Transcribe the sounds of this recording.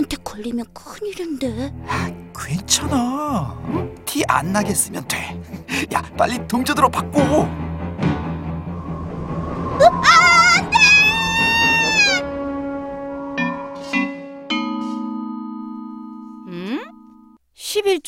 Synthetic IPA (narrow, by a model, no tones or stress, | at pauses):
antʰekʌʎːimjʌnkʰɯɲiɾɯnde | kwent͡ɕʰʌna | tʰiʔa̰nːaɡe̞s͈ɯmjʌntwḛja̰p͈a̰ʎːitoŋd͡ʑʌdɯɾopak̚k͈o | ae | ɯ | ɕʰibiɭt͡ɕ